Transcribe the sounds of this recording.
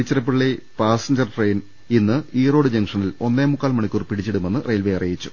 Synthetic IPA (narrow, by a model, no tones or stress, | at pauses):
it͡ɕːɐrɐp̬ːiɭile̞paːsɐɲd͡ʑɐrʈre̞jn | inːɨiːro̞ːɽɨd͡ʑɐŋʂɐnilo̞nːeːmːukːaːlmɐɳikʲːuːrpiɽit͡ɕːiɽume̞nːɨrʔejlʋejɐrijit͡ɕːu̥